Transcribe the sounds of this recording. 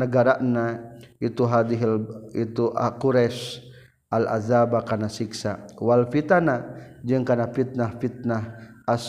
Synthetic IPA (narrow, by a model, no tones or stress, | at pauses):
nəɡaɾaʔnait̪uɦad̪iɦit̪uʔakuɾɛs | ʔala̰zabakanasiksa̰walfit̪anad͡ʒɨŋkanafit̪̚nahfit̪̚nahas